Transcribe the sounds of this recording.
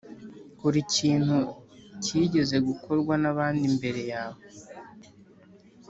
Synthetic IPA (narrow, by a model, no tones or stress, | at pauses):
kuɾiciːn̥hucʰiːɟe̞ze̞ɡukʰo̞ɾɡwanaβaːndimbe̞ɾe̞jaːβo